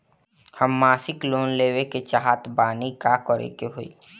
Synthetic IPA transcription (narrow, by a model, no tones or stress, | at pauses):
həmːaːsɪkloːnleːweket͡ʃaɦaːt̪baːnikakɔɾḛkeɦoḭː